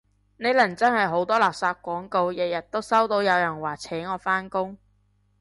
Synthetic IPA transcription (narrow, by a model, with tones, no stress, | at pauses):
ne˨˧jlɐ˨˩ŋt͡sɐ˥nhɐ˨jɦo˨˥wt̪ɔː˥laː˨p̚saː˧t̚kʷɔː˨˥ŋko˧wjɛ˨jɐ˨t̚t̪ːo˥wsɐ˥wt̪o˨˧wjɐ˨˧wjɐ˨˩nwaː˨˩t͡sʰɛː˨˥ŋɔː˨˧faː˥nkʊ˥ŋ